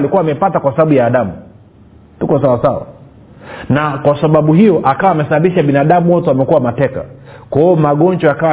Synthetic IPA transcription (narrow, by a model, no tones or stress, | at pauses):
likuwaːmɛipatakwasaɓaɓujaːɗamu | tukɔsawasawa̰ | nakwasaɓaɓuhijɔʔakawaːmɛsaɓaɓiʃaɓinaːɗamuwɔtɛamɛkuwamatɛka̰kaiɔmaɡɔnd͡ʒɔakawa